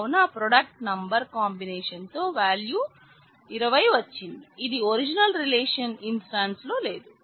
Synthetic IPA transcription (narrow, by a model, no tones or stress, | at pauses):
unɐpɾɔɖɐk̚ʈnɐmbɐɾkaːmbineːʂɐnt̪o̞ːʋaːljuː | iɾɐʋɐjʋɐt͡ʃːind̪iːd̪ioɾid͡ʒinɐlɾileːʂɐninsʈaːnslo̞ːle̞ːd̪u